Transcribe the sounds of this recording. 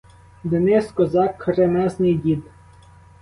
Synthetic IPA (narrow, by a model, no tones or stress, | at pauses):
d̪enɪskɔzɑkːɾemɛznɪjdʲid̪